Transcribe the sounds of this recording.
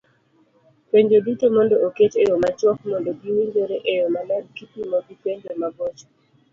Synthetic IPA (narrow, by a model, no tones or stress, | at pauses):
peɲd͡ʒodutomɔndɔoket͡ʃejomat͡ʃwɔkmɔndoɡiwiɲd͡ʒoɾeʔejomalɛdkipimoɡipeɲd͡ʒomabɔt͡ʃɔ̥